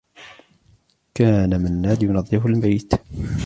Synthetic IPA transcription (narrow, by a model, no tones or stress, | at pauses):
kaːnamanːaːd̪jʊnɑðˤːɨfalbajt̪